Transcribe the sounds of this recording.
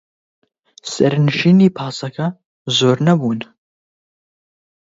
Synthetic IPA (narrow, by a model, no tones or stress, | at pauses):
sɐɾnɨʃiːniːpʰaːsɐkʰɐ | zoːɾnɐbuːn